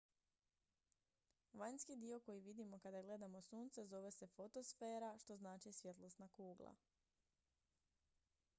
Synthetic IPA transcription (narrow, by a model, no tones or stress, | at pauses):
ʋajɲnskid̪io̞ko̞jiʋid̪imo̞kad̪aɡle̞d̪amo̞suːnt̪se̞zo̞ʋe̞se̞fo̞t̪o̞sfe̞ːɾaʃt̪o̞znaːt͡ʃisʋje̞t̪lˠost̪nakuːɡlˠa̰